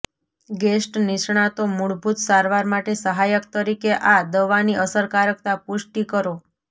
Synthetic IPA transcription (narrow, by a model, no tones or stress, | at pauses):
ɡesʈnɪʃɳ̃at̪omuɭbʱut̪saɾʋaɾmaʈesəɦajəkt̪əɾikeʔad̪əʋaniʔəsəɾkaɾək̚t̪apuʃʈikəɾo